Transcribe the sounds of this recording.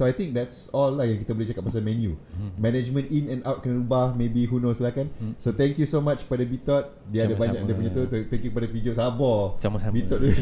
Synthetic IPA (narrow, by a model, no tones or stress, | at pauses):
soajt̪ĩŋk̚dɛts | ɔlːahjãŋkit̪abolɛht͡ʃakap̚pasamɛ̃njumɛ̃nɛd͡ʒmə̃ninɛ̃nʔawt̚kɛnɾubahmẽbiɦunõslahkansot̪ɛ̃ŋkjusomat͡ʃkə̥padabit̪ɔt̪̚ | diadəbaɲãk̚dəpəɲãt̪ut̪t̪ɛ̃ŋkjukəpadapid͡ʒosabɔbit̪ɔt̪̚u